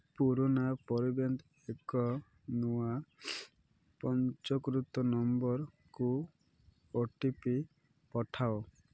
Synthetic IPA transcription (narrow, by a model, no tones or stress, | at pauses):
puɾonapɔɾibɔnt̪ | ekɔ | nua | pɔnt͡ʃɔkɾut̪ɔnɔmbɔɾ | ku | oʈipi | pɔʈʰao